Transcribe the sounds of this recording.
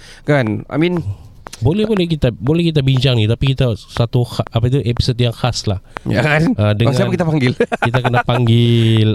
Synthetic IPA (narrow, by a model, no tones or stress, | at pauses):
kana̰min | bolɛhbolɛhkit̪abolɛhkit̪̬abiɲt͡ʃaŋnit̪apikit̪asat̪uhaapat̪uʔepi̥sot̪̚jaŋhaslahja̰ʔədəaŋsiapkit̪apaŋɡɪlkit̪̬akənapaŋɡɪl